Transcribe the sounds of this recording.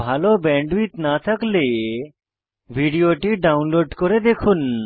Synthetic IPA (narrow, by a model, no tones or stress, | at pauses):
bʱalobɛɳɖʋit̪nat̪ʰakle | bʱiɖijoʈiɖawnloɖkoɾed̪ekʰun